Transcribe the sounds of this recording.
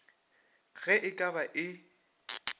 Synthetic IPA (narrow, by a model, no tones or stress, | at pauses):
ɣɛʔɪkʼabaʔɪ